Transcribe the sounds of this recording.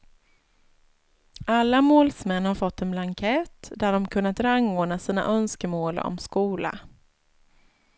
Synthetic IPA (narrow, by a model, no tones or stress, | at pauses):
ʔalːamoːlsmɛnːhaɾfɔt̪ːɛnblaŋkʰɛt̪d̪æɖɔmkʰɵnːat̪ɾaŋːoːɳnasiːna̰ʔœnskəmoːlɔ̰mskuːla̰